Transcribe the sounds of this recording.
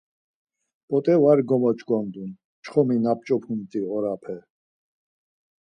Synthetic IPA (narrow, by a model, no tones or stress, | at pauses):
pʼɔt̪ʼɛvaɾɡɔmɔt͡ʃʼɡɔnd̪un | t͡ʃʰχɔminap̚t͡ʃʼɔpʰunt̪ʼiɔɾapʰɛ